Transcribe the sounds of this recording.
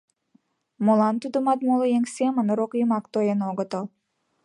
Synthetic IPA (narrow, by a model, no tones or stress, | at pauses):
molɑnt̪ud̪əmɑt̪moləeŋsemənəɾokjəmɑkt̪ojenoɣət̪əl